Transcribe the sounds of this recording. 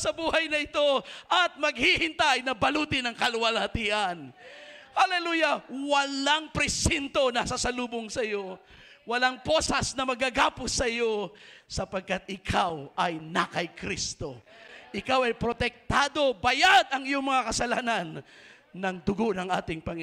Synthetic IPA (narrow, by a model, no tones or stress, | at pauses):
sɐbuːhɐjnɐɪt̪o̞ʔɐt̪̚mɐɡ̚hihɪnt̪ajnɐbɐluːt̪ɪnɐŋkɐlwɐlɐt̪iːʔɐnhɐlɛluːjɐwɐlaŋpɾɛsint̪o̞nasɐsɐluːboŋsɐjo̞ | wɐlaŋpo̞sɐsnɐmɐɡaɡaːpʊsɐjo̞sɐpɐɡ̚kat̪̚ɪkʰawɐjnakɐjkɾist̪o̞ʔɪkawɐjpɾot̪ɛk̚t̪aːd̪o̞bɐjad̪ɐŋɪjoŋmɐŋakɐsɐla̰ːnanː | ɐŋd̪ʊɡonɐŋʔa̰ːt̪ɪŋpɐŋɪ